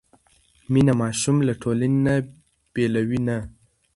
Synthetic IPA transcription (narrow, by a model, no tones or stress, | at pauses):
minamɑʃumlaʈʰolanena | b̥elawina